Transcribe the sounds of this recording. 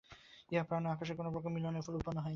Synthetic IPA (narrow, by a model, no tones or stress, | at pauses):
eapɾaneakaʃ̬eɾkonopɔkʰomilanefʰolupanoɦɔj